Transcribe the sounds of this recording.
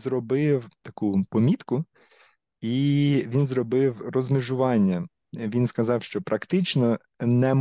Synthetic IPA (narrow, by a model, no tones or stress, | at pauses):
zrɔbɪwt̪ɐkupɔmʲit̪kʊ | iʋʲinzrɔbɪwrɔzmɪʒʊʋɑnʲːɐ | ʋʲinskɐzɑwʃt͡ʃɔpɾɐkt̪ɪt͡ʃnɔ | nɛm